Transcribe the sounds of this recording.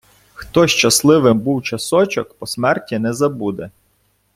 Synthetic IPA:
xt̪ɔʃt͡ʃɐslˠɪʋɪmbuwt͡ʃɐsɔt͡ʃɔkpɔsmɛrtʲinɛzɐbud̪ɛ

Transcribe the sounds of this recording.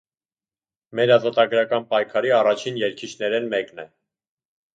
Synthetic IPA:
mɛɾɑzɔt̪ɑɡɾɑkɑnpɑjkʰɑɾiɑrɑt͡ʃʰinjɛɾkʰit͡ʃʰnɛɾɛnmɛknɛ

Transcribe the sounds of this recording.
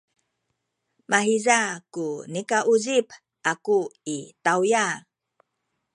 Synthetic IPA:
maɦizakunikaʔuzip | ʔakuitawja

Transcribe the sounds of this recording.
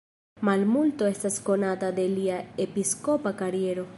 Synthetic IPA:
malmult̪oest̪askonat̪ad̪eliaepiskopakaɾjeɾo

